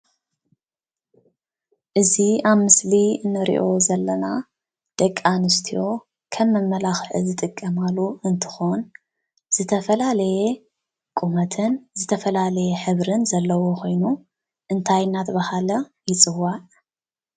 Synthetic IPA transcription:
ʔɨziaβmɨsliɨnːɐɾḭʔo̞zɐlːɐna | d̪̥ɐkʼːanɨst̪ʰijo̞ | kʰɐmːɐmːɐlaxʕɨ̰zɨt̪ʼɨkʼːɐmaluɨnt̪ʰɨ̥xon | z̥ɨt̪ʰɐfɐlalɐje | kʼumɐt̪ʰɨnzɨt̪ʰɐfɐlalɐjeħɨβɾɨnzɐlːɐwo̞kʰo̞jnu | ʔɨnt̪ʰajnat̪ʰbahalɐjɪt͡sʼɨwaʕ

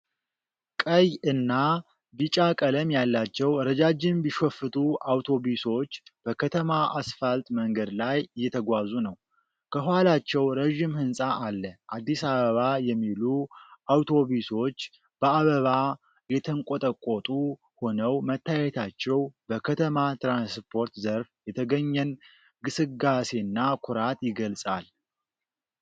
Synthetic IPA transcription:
kʼəjɨnːa | bit͡ʃʼakʼələmjalːat͡ʃːɛwɾəd͡ʒad͡ʒɪnbiʃofɨt̪ʰʼuʔawt̪ʰo̞βiso̞t͡ʃːb̥əkʰət̪ʰəmaʔasfalt̪ʼməŋɡəd̪lajjːɛt̪ʰəɡʷazunəw | kʰəhɦhalat͡ʃːɛwɾeʒimhɨnsʼaʔalːəʔad̪ːisaβəβajɛmːiluʔawt̪ʰo̞βiso̞t͡ʃː | b̥əaβəβa | jɛt̪ʰəŋkʼot̪ʼəkʼːot̪ʼu | ho̞nəwmət̪ʰːajɛt̪ʰat͡ʃːɛwbəkʰət̪ʰəmat̪ɾanspʰo̞ɾt̪zəɾfjɛt̪ʰəɡəɲːɛn | ɡɨsɨɡase̞nːakʰʊɾat̪ʼjɪɡəlsʼal

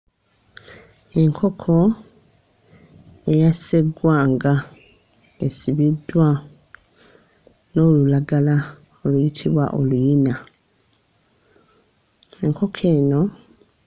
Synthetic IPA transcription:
e̞ŋkʰo̞kʰo̞ | e̞jase̞ɡwaːŋɡa | e̞siβidːwa | no̞lulaɡala | olujitʰiβwa̰ʔo̞lujina | e̞ŋkʰo̞kʰe̞ːno̞

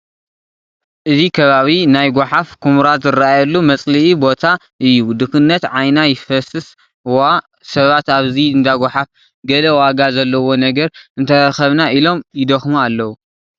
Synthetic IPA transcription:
ʔɨzikʰɐβaβinajɡʷaħafkʰumɾat̪zɨraajɐlːumɐt͡sʼliʔibo̞t̪ʰa | ʔɨjːud̪ɨkɨnːɐt̪ʕajnajɪfɐsɨs | wa | sɐβat̪aβziɨnd̪aɡʷaħaf | ɡɐlɐwaɡazɐlːɐwo̞nɐɡɐɾɨnt̪ʰɐɾɐxɐβnaʔilo̞mjɪd̪ɐxmualːɐwu

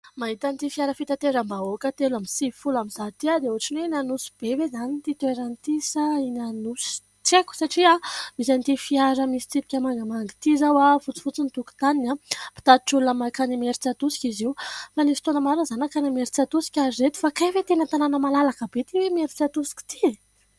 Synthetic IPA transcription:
maɦit̪ant̪ifiaɾəfit̪at̪eɾəmbaokət̪elamisiifulamiz̥at̪iad̪euaʈ͡ʂinweinanusi̥b̥ewezanit̪it̪ueɾant̪isəinanus | ʈ͡ʂeku̥saʈ͡ʂiaizant̪ifiaɾəmisi̥t͡s̪ipi̥kʲəmaŋɡamaŋɡi̥t̪izawafut͡si̥fut͡sint̪uku̥t̪aninapi̥t̪at̪iʈ͡ʂulunamakanimeɾit͡sat̪usi̥kʲiziwfanisi̥t̪onəmaɾunzanakanimeɾit͡sat̪usi̥kʲaziɾet̪u̥fakajvet̪enət̪ananəmalalakəbet̪iwemeɾit͡sat̪usi̥ki̥t̪i̥

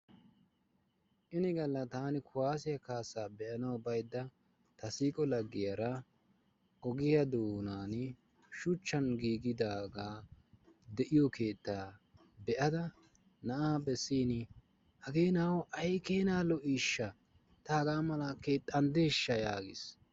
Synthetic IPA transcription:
ʔɪnɪɡɐlːɐt̪aːnɪkʰʊwaːs̬ɪjɐkaːsːaːbɛʔɐnɐwbɐjd̪ːɐ | t̪ɐsiːkʼɔlɐɡːɪjɐɾɐ | ʔɔɡɪjɐd̪oːnaːn | ʃʊt͡ʃːɐnɡiːɡɪd̪aːɡaː | d̪ɛʔɪjɔkʰe̞ːt̪ːaː | bɛʔɐd̪ɐ | nɐʔaːbɛsːiːnɪ | hɐɡeːnawɔʔɐjkeːnaːlɔʔiːʃːɐ | t̪aːɡaːmɐlɐke̞ːt̪ʼːɐnd̪eːʃːɐjaːɡɪ̰s

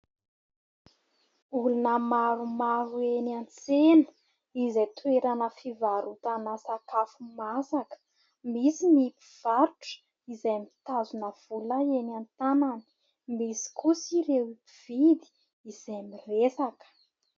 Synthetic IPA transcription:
ulunəmaɾumaɾuenant͡senə̥ | izejt̪ueɾanəfivaɾut̪anasakafumasakə̥ | misimipi̥v̥aɾuʈ͡ʂə̥ | izejmit̪azunəv̥ulaenant̪anani̥ | misi̥kusiɾewipiv̥id̪i̥ | izemiresakə̥

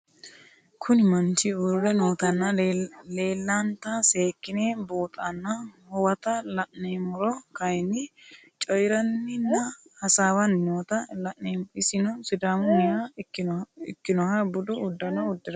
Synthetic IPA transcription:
kʰʊnɪmɐnt͡ʃɪurɛnoːt̪ɐnːɐle̞ːlːɐnt̪ɐse̞ːkːɪneːboːt̪ʼɐnːɐhɔwɐt̪ɐlɐʔnejmʊɾɔkɐjnːɪ | t͡ʃʼɔjɾɐnːɪnːɐhɐsaːwɐnnoːt̪ɐlɐʔeɪsɪnɔsɪd̪aːmʊnɪja | ɪ̰kːɪnɔhɐbʊd̪ʊʊd̪ːɐnɐʊd̪ːɪɾɐ

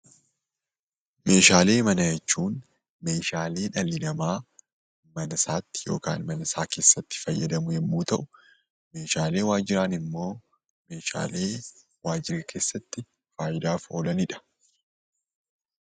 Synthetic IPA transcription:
me̞ːʃaːle̞ːmɐnɐjɛt͡ʃːuːn | me̞ːʃaːle̞ːᶑɐlːɪnɐmaː | mɐnɐsaːt̪ːɪ̥jo̞̰ːka̰ːnmɐnɐsaːke̞ːsːɐt̪ːɪ̥fɐjːɐd̪ɐmʊjɛmːuːt̪ɐʔʊ | me̞ːʃaːle̞ːwaːd͡ʒɪɾaːnɪmːo̞ː | me̞ːʃa̰ːle̞ː | waːd͡ʒɪɾɐkʰe̞ːsːɐt̪ːɪ | faːjɪd̪aːfo̞ːlɐnɪᶑɐ̥

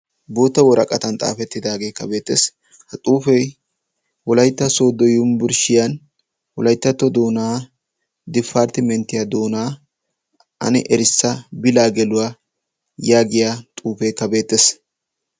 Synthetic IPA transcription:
boːt̪ːɐwɔɾɐkʼɐt̪ɐnt̪ʼa̰ːfɛt̪ːɪd̪aːɡe̞ːkːɐbe̞ːt̪ːḛːs | hɐt̪ʼuːfɛj | wɔlɐjt̪ːɐso̞ːd̪ɔjʊmbʊɾʃɪjɐn | wɔlɐjt̪ːɐt̪ːɔd̪oːnaː | d̪ɪfːaːɾt̪ɪmɛnt̪ːɪjad̪oːnaː | ʔɐ̰nɛ̰ʔɛɾɪsːɐbɪlaːɡɛlʊwaː | jaːɡɪjaːt̪ʼuːfɛjkːɐbe̞ːt̪ːes

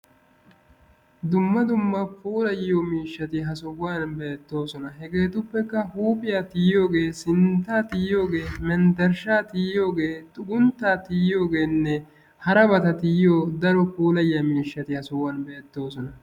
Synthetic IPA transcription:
d̪ʊmːɐd̪ʊmːɐpʰuːlɐjːoːmiːʃːɐt̪ɪɦɐsɔwaːnbe̞ːt̪ːo̞ːsɔnɐɦɛɡe̞ːt̪ʊpːɛkːɐhuːpʼɪjaːt̪ɪjːo̞ːɡe̞ːsɪnt̪aːt̪ɪjːo̞ːɡe̞ːmɛnd̪ɐɾʃaːt̪ɪjːo̞ːɡe̞ːt̪ʼʊɡʊnt̪ːaːt̪ɪjo̞ːɡe̞ːnːɛ | hɐɾɐbɐt̪ɐt̪ɪjoːd̪ɐɾɔpuːlɐjːamiːʃːɐt̪ɪhɐsɔwaːnbe̞ːt̪ːo̞ːsɔnɐ

